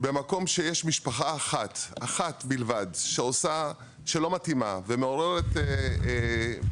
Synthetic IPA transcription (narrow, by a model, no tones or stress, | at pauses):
bemako̞mʃe̞jeʃmiʃpaχaːχat̪aχat̪bilvadʃeo̞sa | ʃelo̞matimaveme̞o̞ʁe̞ʁet̪e